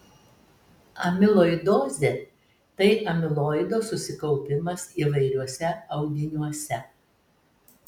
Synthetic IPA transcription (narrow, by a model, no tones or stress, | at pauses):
ɐmʲɪlˠoːɪd̪oːzʲe | t̪ɐɪʔɐmʲɪlˠoːɪd̪oːsʊsʲɪkɐʊpʲɪmɐsiːʋɐɪɾʲuɔsʲɛɐʊɡ̪ʲɪnʲuɔsʲɛ